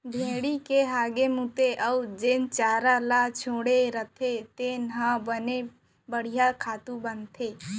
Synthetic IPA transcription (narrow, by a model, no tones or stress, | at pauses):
bʱeːɽikeɦaːɡemut̪eʔəwd͡ʒeːnt͡ʃaːɾalaːt͡ʃʰoːɽeɾət̪ʰet̪eːnɦãbəne | bəɽ̤ijakʰaːt̪ubənt̪ʰeː